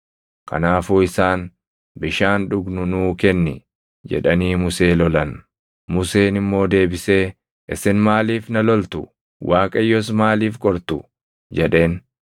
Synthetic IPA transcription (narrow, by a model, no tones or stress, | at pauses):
kɐ̰naːfuːɪsaːn | bɪʃaːnᶑʊɡnʊnuːkɛnːɪ̰ | d͡ʒɛ̰ᶑɐniːmʊse̞ːlɔlɐn | mʊse̞ːnɪmːo̞ːd̪e̞ːbɪse̞ː | ʔɪsɪnmaːliːfnɐlɔlt̪ʊ̰ | wʔaːkʼɐjːɔs̬maːliːfkʼɔɾt̪ʊ | d͡ʒɛᶑe̞ːn